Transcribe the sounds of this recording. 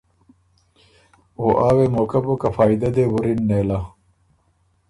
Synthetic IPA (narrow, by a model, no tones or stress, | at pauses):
oːʔaːwemoːkɐbukɐfaːid̪ɐd̪eːwuɾinːeːla